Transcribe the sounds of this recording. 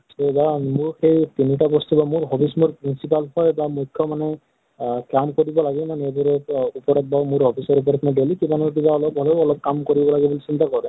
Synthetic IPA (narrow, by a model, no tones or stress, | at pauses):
tobanmʊɹxejt̪iniʈabɔst̪ubamʊɹɦɔbismuɹpɹinsipalɦɔjbamukʰːjɔmanɛ | kamkoɹibɔlaɡɛmanedɔɾɛupɔɹɔt̪̚bamʊɹɦɔbʰisɔɾup̬ɔɹɔtanɛdelikibanɔɹk̬ibaɔlɔp̚ɦɔlɔɔlɔp̚kamkoɹibɔlaɡibolisint̪akɔɹbɛ